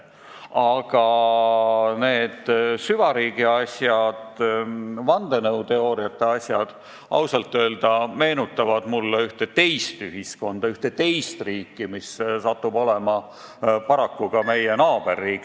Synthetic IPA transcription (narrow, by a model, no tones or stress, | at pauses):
ɑɡ̥ɑ | ne̞ːd̪̥syvɑɾiːɡ̥iɑsʲjɑd̪̥ | vɑnd̪̥e̞nɤwt̪e̞o̞ːɾiɑt̪ːˑe̞ɑsʲjɑd̪̥ | ʔɑ̰wsɑlt̪ːˑø̞ːld̪ɑme̞ːnut̪ːˑɑvɑd̪̥mulːeyht̪e̞t̪e̞jst̪yɦisko̞nd̪̥ɑyht̪e̞t̪e̞jst̪riːkːimissɑt̪ːubo̞le̞mɑ | pɑɾɑkːuɡ̥ɑme̞jenɑːb̥e̞rːiːkˑ